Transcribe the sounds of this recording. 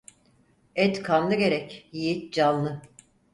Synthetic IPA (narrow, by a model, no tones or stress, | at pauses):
ɛt̪kʰanlˠɯɟe̞ɾɛcjijit̪̚d͡ʒalˠːɯ